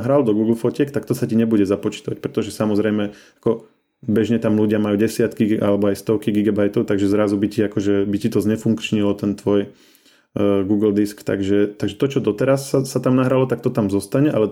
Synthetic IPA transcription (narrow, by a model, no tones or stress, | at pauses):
ɦɾald̪ɔɡuːɡl̩fɔcɪɛkt̪ak̚t̪ɔsaciɲɛbuɟɛzapɔt͡ʃi̥t̪aʋac̚pɾɛt̪ɔʒɛsamɔzɾɛjmɛ | ḁkɔ | bɛʒɲɛt̪amluɟɪamajuːɟɛsɪat̪kiʔalɛbɔajst̪ɔkiɡiɡabajt̪ɔʊt̪aɡʒɛzɾazubiciakɔʒɛbicit̪ɔzɲɛfuŋkt͡ʃɲilɔt̪ɛnt̪ʋɔj | ɡuːɡl̩d̪iskt̪a̰ɡʒɛt̪aɡʒɛt̪ɔt͡ʃɔd̪ɔt̪ɛɾasaːat̪amnaɦɾalɔt̪akt̪ɔt̪amzɔst̪aɲɛʔalɛ